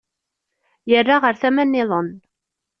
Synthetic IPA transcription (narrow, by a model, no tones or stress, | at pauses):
jərːaʁəɾθæmænːɪðˤən